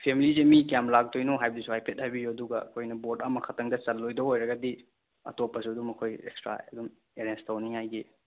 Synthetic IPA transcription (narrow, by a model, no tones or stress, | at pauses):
pʰemilizemikjamlak̚tʰojnoɦajbɐdisuhajpʰet̚hajbijuɐduɡɐɐ̰kʰojnɐbotamɐkʰɐtʰɐŋdɐt͡ʃɐlːojdɐojɾɐɡɐdi | ɐ̰topːɐsuɐdumɐkʰojḛkstɾa̰ɐdum | eɾenstʰawniŋhajɡi